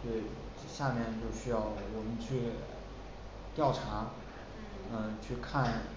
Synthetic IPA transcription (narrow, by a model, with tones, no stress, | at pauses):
t̪we˥˩ɪ | ɕja˥˧mjɛ˥˧nt͡ɕjo˥˧ʊɕy˥jɑ˥˩ʊwɔ˨˩mə˦nt͡ɕʰy˥˩ | t̪jɑ˥˩ʊʈ͡ʂʰa˧˥ | ə˥˧t͡ɕʰy˥˧kʰa˥˩n